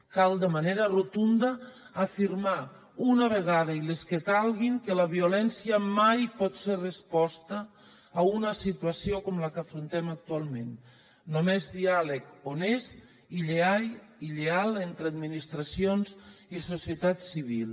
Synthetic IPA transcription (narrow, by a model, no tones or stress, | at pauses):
kalˠd̪əmaneɾərot̪und̪əː | fiɾma | unaβeɣaðaileskəkalˠɣiŋkəlaβiulɛnsiəmajpɔt̪serəspɔst̪əː | unəsit̪uasiokɔmlakafɾunt̪ɛmak̚t̪ualˠmẽnː | omezðialəkones | iʎeajiʎealent̪ɾəad̪minist̪ɾasionzisosiət̪at̪siβilˠ